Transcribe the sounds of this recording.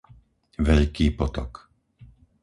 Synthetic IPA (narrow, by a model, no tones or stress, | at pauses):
ʋɛʎkiːpɔt̪ɔk